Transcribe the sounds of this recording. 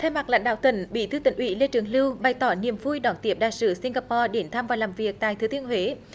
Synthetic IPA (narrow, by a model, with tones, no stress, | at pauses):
t̪ʰɛ˧wma˨˩k̚la̰˧˥jŋ̟ɗa̰ː˧˨wt̪ə˧˩ŋɓḭ˧˥t̪ʰɨ˧˦t̪ï˧˩ŋ̟ʔwḭ˧˥le˧t͡ɕɨ˨˦əŋlɨ˧wɓa˨˩jt̪ɔ˧˩˦ni˨˩əmvu˧jɗɔ˨˩nt̪i˨˦˥əp̚ɗa̰ː˨jsɨ˧˦si˧ŋ̟ɣaː˧pɔ˧ɗe˨˧˦nt̪ʰaː˧mvaː˨˩wlaː˨˩mvi˨˩ək̚t̪a̰ː˧˨jt̪ɨ˨˦t̪i˧ənhwe˨˦